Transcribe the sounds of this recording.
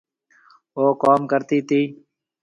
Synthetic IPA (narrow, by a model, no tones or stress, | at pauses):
oːkoːmkəɾt̪iːt̪iː